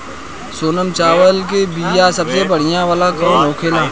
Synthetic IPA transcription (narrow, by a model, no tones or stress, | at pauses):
soːnəmt͡ʃaːʋəlk̬ebiːjasɐbsebəɽ̤ɪjãʋaːlakɾõãokʰeːlãː